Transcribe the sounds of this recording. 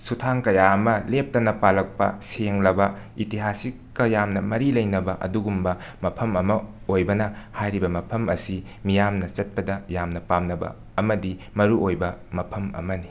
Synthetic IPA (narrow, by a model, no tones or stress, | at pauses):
sutʰaŋkɐjaɐmɐlep̚tɐnɐpalɐk̚pɐ̰seŋlɐbɐ | itiɦasikːɐjamnɐmɐɾilɐjnɐbɐʔɐ̰duɡumbɐmɐpʰɐmɐmɐ | ojbɐnɐhajɾibɐmɐpʰɐmɐsi | mijamnɐt͡ʃɐt̚pɐdɐjamnɐpamnɐbɐ̰ | ɐmɐdi | mɐɾuojbɐmɐpʰɐmɐ̰mɐni